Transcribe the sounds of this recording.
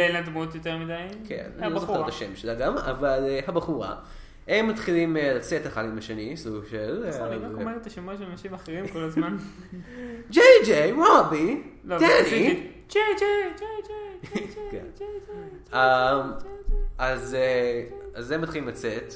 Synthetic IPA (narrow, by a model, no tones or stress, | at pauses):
elad̪mut̪joteʁmid̪ajkʰḛnalozofet̪aʃemʃelaɡama̰valehabaχuʁa̰ | emːat̪χilimelat͡set̪aχadimaʃenisuɡʃelkmalet̪aʃemuaʃelanɐʃimaχeʁimkolazman | d͡ʒejd͡ʒejwabit̪enii | d͡ʒed͡ʒed͡ʒed͡ʒekḛn | am | azeazemːat̪χilimlat͡set̪